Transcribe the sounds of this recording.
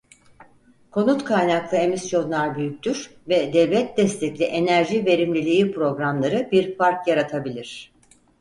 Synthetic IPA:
kʰo̞nut̪kʰajnaklˠɯe̞misjo̞nlˠaɾbyjyc̚ʲt̪yɾvɛd̪ɛvlʲɛt̪̚d̪ɛst̪ʰɛclʲiʔe̞næɾʒive̞ɾimlʲilʲijipɾo̞ɡɾamlˠaɾɯbiɾfaɾkjaɾat̪ʰabilʲiɾ̝̥

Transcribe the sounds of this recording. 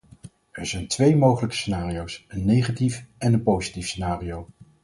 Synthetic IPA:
ɛɹzɛjntʋejmowχələkə̥senaːrijowsənːejχatifɛnənpowzitifsenaːrijow

